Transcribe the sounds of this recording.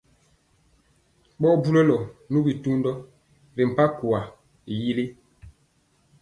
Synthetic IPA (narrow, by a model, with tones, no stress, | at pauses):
ɓɔ˦bu˦lɛ˦lɔ˨nu˦bi˨tu˦ndɔ˦ | ɾi˨m̩˨pa˦ku˨a˨ | ji˦li˦